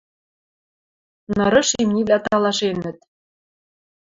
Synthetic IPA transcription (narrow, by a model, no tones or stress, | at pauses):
nɤ̆ɾɤ̆ʃemnʲivlʲæt̪ɑlˠɑʃenɘ̆t̪̚